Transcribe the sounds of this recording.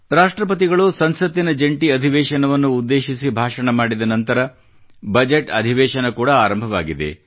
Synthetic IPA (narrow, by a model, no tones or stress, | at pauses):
ɾaːʂʈɾɐp̬ɐt̪̬iɡɐɭusɐnsɐt̪inɐd͡ʒeɳʈiɐd̪ʱiʋɛːʃɐnɐʋɐnːuːd̪ːe̞ːʃisibʱaːʂɐɳɐmaːɽid̪ɐnɐnt̪ɐɾɐ | bɐd͡ʒeʈɐd̪ʱiʋɛːʃɐnɐkuːɽɐaːɾɐmbʱɐʋa̰ːɡid̪ḛ